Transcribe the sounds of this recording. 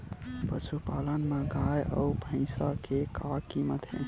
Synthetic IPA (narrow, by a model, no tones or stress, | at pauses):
pəʃupalənmeɡajə̰ubʱə̃ɪ̃sakʰekakimət̪ḛ̃